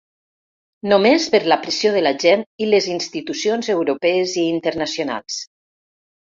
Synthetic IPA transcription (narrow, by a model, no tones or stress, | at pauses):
nomespəɾləpɾesioðəlaʒɛnilezinst̪it̪usionzewɾopɛeziːnt̪əɾnasjona̰lˠs